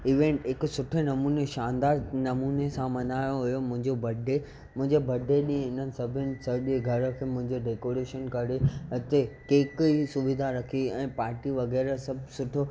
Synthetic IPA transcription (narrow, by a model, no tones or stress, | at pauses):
iʋẽːɳʈɦɪksʊʈʰenɐmuːneʃaːnd̪aːɾnɐmuːnesãmɐnaːjoɦʊjomʊ̃ɦɪ̃ɲd͡ʑobɐɖʱe | mʊ̃ɦɪ̃ɲd͡ʑebʱɐɖʱeɗĩːẽɪn̤ənɪ̆sɐbʱɪnɪ̆sɐɗeɡʱɐɾə̆kʰeːmʊ̃ɦɪ̃ɲd͡ʑeɖeːkoːɾeːʃənkɐɾet̪ekeːkisʊbɪd̪ʱaɾɐkʰiɛ̃ːpaːɾʈiʋɐɣɛːɾsɐbʱsʊʈʰo